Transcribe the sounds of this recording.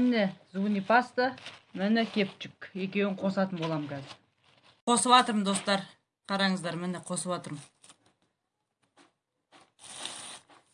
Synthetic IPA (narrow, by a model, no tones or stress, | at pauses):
ɪnɪzunipɑst̪əmɪnɪkʲʰe̞p̚t͡ʃɪkje̞k̬ʲe̞wɪɴqʰo̞sɑt̪ənbo̞lˠɑməkʲʰæzɪ | qʰo̞səbɑt̪əɾməd̪o̞st̪ɑɾ | qʰɑɾɑɴəzd̪ɑɾmɪnɪqʰo̞səpɑt̪əɾmə